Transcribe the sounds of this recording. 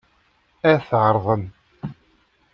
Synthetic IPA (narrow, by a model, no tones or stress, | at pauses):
æɾθʕəɾˤðˤən